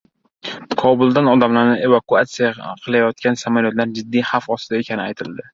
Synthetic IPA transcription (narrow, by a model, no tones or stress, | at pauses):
kʰɒbʊlˠd̪anɒd̪amlaɾnɪe̞vakuat̪sijaqʰɨlˠajɒt̪̚kʲansamaljɒt̪laɾd͡ʒɪd̪ːijhafɒst̪ɪd̪aekʲʰanɪajt̪ʰɪld̪ɪ